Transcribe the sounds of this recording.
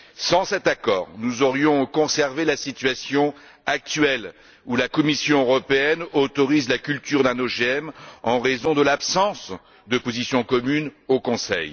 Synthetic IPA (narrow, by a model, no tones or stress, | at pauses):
sɑ̃sɛt̪akɔ̰ːʁnuzɔʁjɔ̃kɔ̃sɛʁvelasit̪ɥasjɔ̃ | ak̚t̪ɥɛl | ulakɔmisjɔ̃øʁɔpeɛnot̪ɔʁizlakʲylt̪yʁd̪ɛ̃noʒeɛmɑ̃ʁezɔ̃d̪əlapsɑ̃s | d̪əpozisjɔ̃kɔmynokɔ̃sɛ̰j